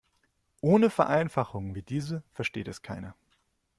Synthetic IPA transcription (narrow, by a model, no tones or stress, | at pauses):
ʔoːnəfɛɐʔaɪnfaχʊŋviːdiːzəfɛɐʃteːtɛskʰaɪnɐ